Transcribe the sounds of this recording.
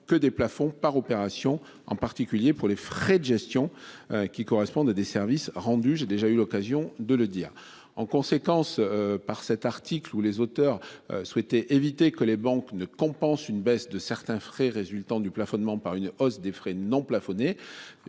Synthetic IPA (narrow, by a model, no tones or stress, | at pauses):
kəd̪eplafɔ̃paʁɔpeʁasjɔ̃ | ɑ̰̃paʁt̪ikʲyljepuʁlefχɛd̪əʒɛst̪jɔ̃kʲikɔʁɛspɔ̃d̪ad̪esɛʁvisʁɑ̃d̪yʒed̪eʒaylɔkazjɔ̃d̪ələd̪iːʁ | ɑ̰̃kɔ̃sekɑ̃spaʁsɛt̪aʁt̪iklulezot̪œʁ̰swɛt̪ɛʔevit̪ekəlebɑ̃knəkɔ̃pɑ̃synbɛsd̪əsɛʁt̪ɛ̃fχɛʁezylt̪ɑ̃d̪yplafɔnmɑ̃paʁynɔsd̪efχɛnɔ̃plafɔne